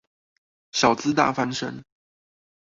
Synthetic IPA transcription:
ɕjɑ˨˩ʊt͡sɹ̩˥t̪a̰˥˩fa˥nʂə̰˥ŋ

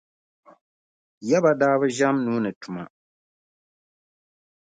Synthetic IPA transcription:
jɛ˦ba˨daː˦βɨ˦ʒa˦mnuː˦nɨ˨tʊ˨ma̰˨

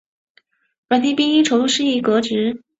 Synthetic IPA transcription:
ɻa˧˥nt̪ʰi˥pi˥ŋi˥ʈ͡ʂʰo˧˥ʊlu˥˧ʂɻ̩˥˧i˥˩kɤ˧˥ʈ͡ʂɻ̩˧˥

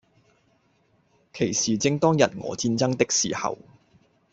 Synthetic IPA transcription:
kʰe˨˩jsiː˨t͡sɪ˧ŋt̪ɔː˥ŋjɐ˨t̚ŋɔ̰ː˨˧t͡siː˧nt͡sɐ˥ŋt̪ɪ˥k̚sḭː˨˩hɐ̰˨w

